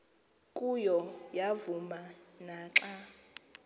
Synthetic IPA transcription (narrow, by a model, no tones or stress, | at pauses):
kʼujɔjavumanaːǁa